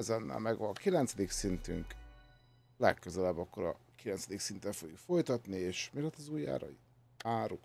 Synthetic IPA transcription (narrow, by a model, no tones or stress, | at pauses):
ɛzɛnːɛ̰lmɛɡvɒnkilɛnt̪sɛd̪iksint̪y̰ŋk | lɛ̰kːøzɛlɛbːɒkːo̞ɾɒ̰ | kilɛnt̪sɛd̪iksint̪ɛɱfoɡjukfo̞jt̪ɒt̪nieːʃmilɛt̪ːɒzuːjːa̰ːɾɒ̰i | aːɾuk